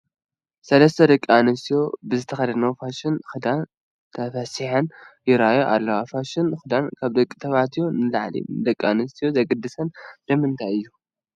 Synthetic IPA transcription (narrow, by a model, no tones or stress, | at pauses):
sɐlɐst̪ʰɐd̪ɐkʼanɨst̪ijo̞bɨzɨt̪ʰɐxɐd̪ɐnɐwfaʃɪnxɨd̪an | t̪ʰɐfɐsɨħɐnjɪɾajoʔalːɐwafaʃɪnxɨd̪ankʰaβd̪ɐkʼːi̥t̪ʰɐβat̪ʰjonɨla̰ʕlḭd̪ɐkʼːa̰nɨst̪ʰijozɐɡɨd̪ːɨsɐnlɐmɨnt̪ʰajɨjːu